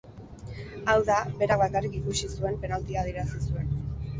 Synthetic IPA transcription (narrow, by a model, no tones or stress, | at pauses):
awðabe̞ɾaβakarikikusisue̞mpe̞nalt̪iað̞ie̞ɾasisue̞n